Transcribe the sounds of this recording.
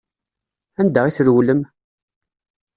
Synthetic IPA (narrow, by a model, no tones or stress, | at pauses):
ænd̪æʁiθɾwləm